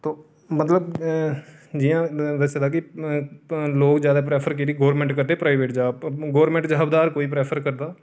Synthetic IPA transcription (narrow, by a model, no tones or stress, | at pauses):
t̪oː | mət̪ləb | d͡ʒijãːd̪əsed̪aːkɪ | loːkd͡ʒjaːd̪aːp̬ɾɛːpʰəɾkiɾiːɡoːɾmɛ̃ːɳʈkəɾd̪eːpɾaːɪʋeːʈd͡ʒaːbɡoːɾmɛ̃ɳʈd͡ʒaːbd̪aːɾkoːiːpɾɛːpʰəɾkəɾd̪aː